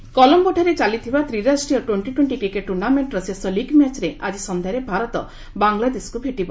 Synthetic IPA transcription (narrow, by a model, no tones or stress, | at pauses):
kɔlɔmbɔʈʰaɾet͡ʃalit̪ʰibat̪ɾiɾasʈɾijɔʈweɳʈiʈweɳʈikɾikeʈːuɾnameɳʈɾɔsesɔliɡmjat͡ʃɾeʔad͡ʒisɔnd̪ʱaɾebʱaɾɔt̪ɔ̰ | baŋɡlad̪eskubʱeʈibɔ